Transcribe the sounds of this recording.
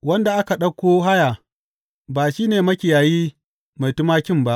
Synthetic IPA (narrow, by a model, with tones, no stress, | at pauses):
wɐ˦nda˨ʔa˦ka˨ɗɐ˦kʷːoː˦ɦa˦ja˨ | baː˨ʃiː˦neː˨mɐ˦kʲɪ˨jaː˨jiː˦ | ma˨jtʊ˦maː˦kʲɪ˦˨mba˦ʔ